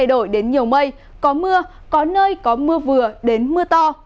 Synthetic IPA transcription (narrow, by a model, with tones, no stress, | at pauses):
jɗo̰˧˩˨jɗe˨˦nɲi˨˩əwmə˧j | kɔ˨˦mɨ˧ə | kɔ˨˦nəː˧jkɔ˨˦mɨ˧əvɨ˨˩əɗe˨˦nmɨ˧ət̪ɔ˧